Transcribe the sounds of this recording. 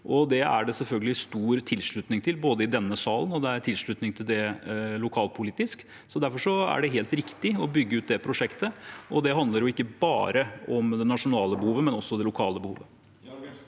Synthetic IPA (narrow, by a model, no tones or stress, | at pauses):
ʔɔd̪ɛæ̰ɖɛsɛlfœlɡəlɪst̪uːɾt̪ʰɪlʂɭʉt̪nɪŋt̪ʰɪlboːd̪əɪd̪ɛnːəsɑːlənɔd̪ɛæɾt̪ʰɪlʂɭʉt̪nɪŋt̪ʰɪld̪ɛlʊkʰɑːlpʰʊliːt̪ɪsk | sɔd̪æɾfɔʂɔæ̰ɖɛɦeːlt̪ɾɪkt̪ɪɔbʏɡːəʉːt̪̚d̪ɛpʰɾʊʂɛkt̪əʔɔd̪ɛɦɑnd̪ləɾjʊɪkːəbɑ̰ːɾəɔmd̪ɛnɑʂʊnɑːləbəhuːʋəmɛnɔsːɔd̪ɛlʊkʰɑːləbəhṵːʋə